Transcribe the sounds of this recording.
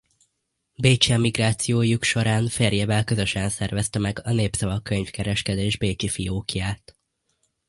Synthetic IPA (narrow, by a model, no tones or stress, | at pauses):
beːt͡ʃiɒmiɡraːt̪sijoːjukʃo̞ɾaːnfeːrjeːvɛlkøzø̞ʃɛnsɛrvɛst̪ɛmɛɡɒneːpsɒvɒkːøɲfkɛɾɛʃkɛd̪eːʒbeːt͡ʃifijoːkjaːt̪